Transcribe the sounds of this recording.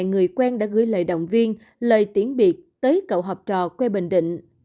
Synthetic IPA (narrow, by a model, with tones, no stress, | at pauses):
ŋɨ˨˩əjkwaː˧nɗa̰ː˧˥ɣɨ̰˧˥jlə̰ː˧˨jɗə̰˧˨wŋ͡mvi˧ən | lə̰ː˧˨jt̪i˨˧˦ənɓi˨˩ət̚t̪əː˨˦jkə̰˧˨wɦɔ˨˩p̚t͡ɕɔ̰˧˨kwɛ˧ɓə̰˧˨ŋ̟ɗḭ̈˧˨ŋ̟